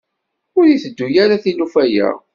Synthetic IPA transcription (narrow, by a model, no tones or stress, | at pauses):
ʊɾjiθəd̪ːujaɾaθinufæjæ̰